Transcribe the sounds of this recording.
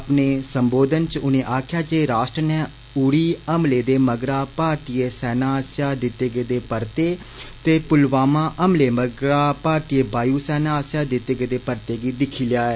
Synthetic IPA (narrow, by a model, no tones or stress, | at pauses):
əpneːsəmboːd̪ənt͡ʃʊnẽːʔaːkʰɪjaːd͡ʒeːɾaːʃʈɾənɛ̃ː | ʊɽiːəmleːd̪eːməɡɾaːpaːɾt̪ieːsɛːnãːsjaːd̪ɪt̪ːeːɡeːd̪eːpəɾt̪eː | t̪eːpʊlʋaːmãːʔəmleːməɡɾaːpaːɾt̪ieːbaːjuːsɛːnãːsjaːd̪ɪt̪ːeːɡeːd̪eːpəɾt̪eːɡiːd̪ɪkʰiːlɪjaːɛː